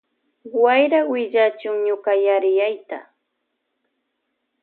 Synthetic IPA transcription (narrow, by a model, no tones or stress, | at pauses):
wajɾawɪʎat͡ʃʊŋɲʊkajaɾɪjajt̪a̰